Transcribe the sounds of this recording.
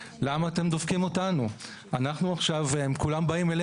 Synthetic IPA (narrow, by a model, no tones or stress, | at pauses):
lamaːt̪e̞md̪ofkimotanu | anaχnuaχʃavemkulambaimele